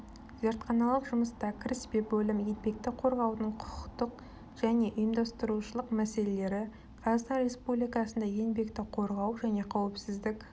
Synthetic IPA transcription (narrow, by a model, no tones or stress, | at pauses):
ʒɑɾt̪qʰɑnɑlˠəpʒʊməst̪ɑkʲʰɪɾɪsbepbɵlɪmje̞nbe̞k̚t̪ɪqʰo̞ɾʁɑwnəɴqʰʊ̥qəqt̪əq | ʒ̥æne̞ʔʊjəmd̪ɑst̪əɾuʃəlˠəqmæse̞le̞le̞ɾɪ | qʰɑɾʁət̪t̪ɑnɾʲe̞spublijkɑsənd̪ɑje̞nbe̞k̚t̪ɪqʰo̞ɾʁɑwʒæne̞qʰɑwɪpsɪzd̪ɪk